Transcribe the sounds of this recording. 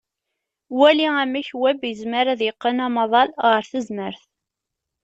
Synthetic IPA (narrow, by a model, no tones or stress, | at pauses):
wæliæmæçwæbjəzməɾæðjəqːənɑmɑðˤɑlʁəɾθəzməɾθ